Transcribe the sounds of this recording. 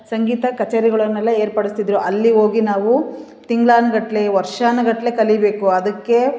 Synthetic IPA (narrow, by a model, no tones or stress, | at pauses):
sɐŋɡiːt̪ɐkɐt͡ʃeːɾiɡɐɭɐnːɛlːɐeːɾpɐɽist̪id̪ɾuʔɐlːio̞ːɡinaːʋu | t̪iŋɡɭaːnɐɡɐʈle̞ʋɐɾʂaːnɐɡɐʈle̞kɐlibe̞ːkuɐd̪ɐkːe̞